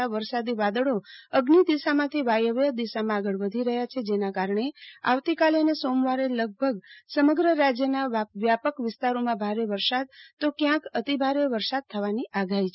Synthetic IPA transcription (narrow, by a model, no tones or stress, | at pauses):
aʋəɾsad̪iʋad̪əɭoəɡnid̪isamãt̪ʰiʋajəʋjəd̪iʃamãːɡəɭʋəd̪ʱiɾəɦjat͡ʃʰed͡ʒenakaɾəɳea̰ʋt̪ikaleənesomʋaɾeləɡ̚bʱəɡsəməɡɾəɾad͡ʒjənaʋjapəkʋɪst̪aɾomãbʱaɾeʋəɾsad̪̚t̪okjãkət̪ibʱaɾeʋəɾsad̪̚t̪ʰəʋaniʔaɡaɦit͡ʃʰ